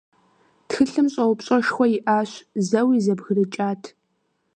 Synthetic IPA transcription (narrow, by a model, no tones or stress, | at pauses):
txɨɬɨmɕʼɐwʊpɕʼɐʃxʷɔjɪʔaːɕzɐwiːzɐbɣɨrɨt͡ʃʼaːtʰ